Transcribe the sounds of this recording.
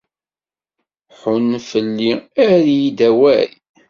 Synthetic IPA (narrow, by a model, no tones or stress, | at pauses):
ħʊnfəlːiæɾijid̪æwæɾi